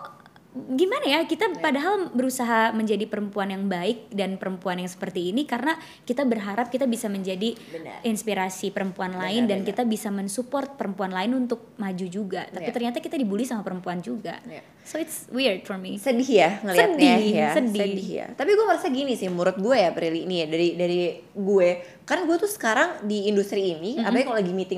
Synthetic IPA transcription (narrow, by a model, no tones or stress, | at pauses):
ɡimanajakit̪apadaɦalbəɾusaɦaməɲd͡ʒadipəɾəmpuanjaŋbaɪk̚danpəɾəmpuanjaŋsə̥pərt̪iːnikaɾəna | kit̪abərɦaɾap̚kit̪abisaməɲd͡ʒadibn̰ɪnspiɾasipəɾəmpuanlaɪndankit̪abisamənsupɔrt̪̚pəɾəmpuanlaɪnunt̪ʊk̚mad͡ʒud͡ʒuɡat̪apit̪ərɲat̪akit̪adibulisamapəɾəmpuand͡ʒuɡa̰j | soɪt̪swird̚fɔrmisədɪhjaŋəlisəadɪjassəddɪja̰t̪apiɡuaməɾasaɡinisɪhmuɾʊt̪̚ɡuɛjapəɾiliinijadaɾidaɾi | ɡue | karnaɡuɛt̪usə̥kaɾaŋdiːndust̪ɾiːniapaɲakalolɡimit̪ɪŋ